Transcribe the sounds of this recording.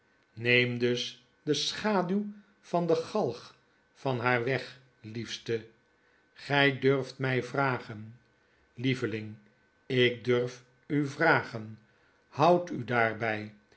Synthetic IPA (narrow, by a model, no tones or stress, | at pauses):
nejmdøs | dəsχaːdyw | fɑndəχɑlˠχ | fɑnɦaːɹʋɛχ | lifstə | χɛjdøɹftmɛjvraːχən | livəlɪŋ | ɪk̚døɹf | yvraːχən | hʌwtydaːɹbɛj